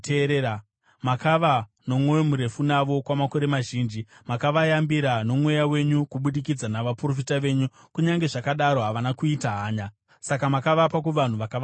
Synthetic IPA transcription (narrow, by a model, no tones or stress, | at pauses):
teɾe | makaʋa | no̞mwowemuɾe̞funaʋo̞kwamako̞ɾe̞maʒiːnd͡ʒimakaʋajambiɾano̞mwe̞jawe̞ɲukuɓuɗikid͡zanaʋapro̞fitaʋe̞ɲu | kuɲaŋɡe̞ʐakaɗaɾo̞ɦaʋanakuitaɦaːɲa | sakamakaʋapak̬uʋan̤uʋakaʋ